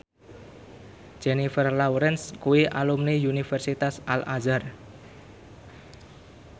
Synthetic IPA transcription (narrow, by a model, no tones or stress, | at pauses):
d͡ʒ̥enifərlawɾɛnskuwiʔalumniunifɛrsit̪asalʔazər